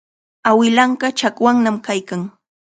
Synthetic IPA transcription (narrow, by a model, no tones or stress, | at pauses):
awɪlaɴɢɑt͡ʃakwaŋnamkajkaŋ